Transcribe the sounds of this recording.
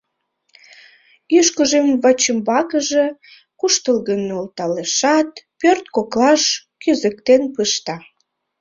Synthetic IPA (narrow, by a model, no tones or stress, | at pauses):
yʃkəʒemvət͡ɕəmbɑkəʒe | kuʃt̪əlɣənːeolt̪ɑleʃɑt̪pørt̪koklɑʃkyzə̆kt̪enpɯʃt̪ɑ